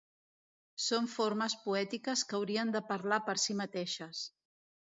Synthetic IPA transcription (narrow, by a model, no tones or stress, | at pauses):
soɱfoɾməspuɛt̪ikəskəwɾiənd̪əpəɾlapəɾsimət̪eʃəs